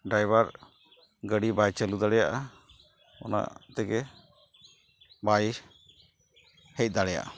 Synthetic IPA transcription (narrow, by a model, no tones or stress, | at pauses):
ɖajbaɾ | ɡəɽibajt͡ʃəlud̪aɽɛjaʔa | ɔ̰na̰ʔt̪ɛɡɛ | baj | hɛc̚ˀd̪aɽɛja̰ʔa